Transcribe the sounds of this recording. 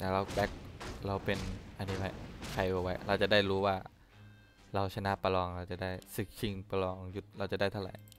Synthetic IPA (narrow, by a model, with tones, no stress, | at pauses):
t̪a˧˩ɾa˧wbɛ˦˥k̚ɾa˧wpe˧nʔa˧nːiː˦˥wa˦˥jkʰa˧˩jʔoː˧˩wa˦˥jɾa˧wt͡ɕa˨˩ʔdaː˥˩jɾuː˦˥waː˥˩ | ɾa˧wt͡ɕʰa˧na˦˧˩pa˧lɔː˧ŋɾa˧wt͡ɕa˨˩daː˥˩jsɯ˨˩k̚t͡ɕʰi˧ŋpa˧lɔː˧ŋju˨˧˩t̪̚ɾa˧wt͡ɕa˨˩da˥˩jt̪ʰa˥˩ɾa̰˨˩˦j